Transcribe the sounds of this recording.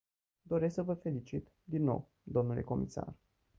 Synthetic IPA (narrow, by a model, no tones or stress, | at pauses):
d̪o̞ɾe̞s̬ksəvəfe̞lit͡ʃit̪ | d̪inːo̞̰w | d̪o̞mnule̞̰ko̞̰mʔisa̰r